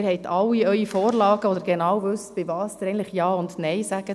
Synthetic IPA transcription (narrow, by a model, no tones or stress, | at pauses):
ɪɾhɛɪt̪ʰɑwːiœʏifɔːrlɑːɡ̥əɔd̪əɾɡ̥enɑːwvʉsb̥ɪvɑːsd̥̪ɪɾɛntləχjɑːʊndnɛɪsæɡ̥ə